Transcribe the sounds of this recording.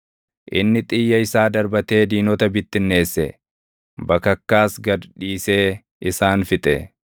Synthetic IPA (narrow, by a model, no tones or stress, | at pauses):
ʔɪ̰nːɪt̪ʼɪjːɐɪsaːd̪ɐɾbɐt̪e̞ːd̪iːnɔt̪ɐbɪt̪ːɪnːe̞ːsːɛ̰ | bɐkɐkːaːsɡɐᶑiːse̞ː | ɪsaːnfɪt̪ʼɛ̰